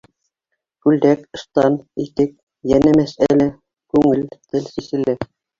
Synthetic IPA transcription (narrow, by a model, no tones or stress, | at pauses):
kʉld̪ækɤ̆st̪ɑnit̪ɘk̚ | jænæmæsælæ | kʉŋɘlt̪ɘlsisɘ̆lɘ